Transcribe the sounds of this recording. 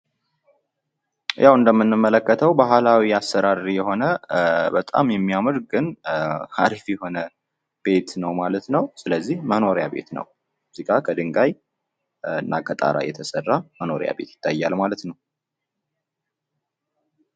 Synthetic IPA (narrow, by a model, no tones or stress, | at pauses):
jʔawɨnd̪əmːɨnːɨmːələkːət̪ʰəwbaɦlawiasːəɾaɾijɛho̞nəbət̪ʼa̰mjɛmːiamɨɾɡɨnhaɾifjɛho̞nə | b̥e̞t̪nəwmalət̪nəwsɨləzːihməno̞ɾjabe̞̰t̪nə̰w | muzikʰʼakʰəd̪ɨŋɡaj | ɨnːa̰kʰət̪ʼa̰ɾa̰jɛ̰t̪ʰəsərːaməno̞ɾj̰a̰be̞̰t̪jɪ̥t̪ʰːajːalmalət̪nəw